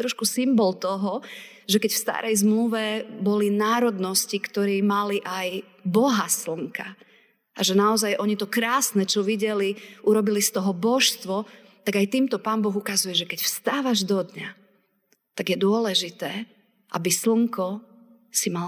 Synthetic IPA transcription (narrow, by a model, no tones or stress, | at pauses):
t̪ɾɔʃkusimbɔlt̪ɔɦɔ | ʒɛkɛcfst̪a̰ːɾʔɛjzmluʋɛbɔlinaːɾɔd̪nɔscikt̪ɔɾiːmaliʔaj | bɔɦasl̩ŋka | ʔaʒɛnaɔzajʔɔɲit̪ɔkɾaːsnɛt͡ʃɔʋiɟɛliʔuɾɔbilist̪ɔɦɔbɔʃst̪ʋɔ | t̪aɡajt̪iːmt̪ɔpaːnbɔɣukazujɛʒɛkɛcfst̪aːʋaʒd̪ɔd̪ɲa | t̪aɡjɛd̪ʊɔlɛʒit̪ɛː | ʔa̰bisl̩ŋkɔ | simal